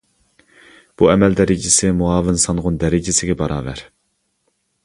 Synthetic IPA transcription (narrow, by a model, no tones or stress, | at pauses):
b̥uɛmɛld̪ɛɾɪd͡ʒɪsɪmuɑːvɨnsɑnʁʊnd̪ɛɾɪd͡ʒɪsɪɡʲɛbɑɾɑ̰ːvæɾ